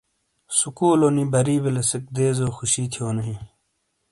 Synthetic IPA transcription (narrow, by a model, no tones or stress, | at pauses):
sukuːloːniːbɐɾiːbelesek̚d̪eːzoːxuɕiːt̪ʰijoːnɐɦĩ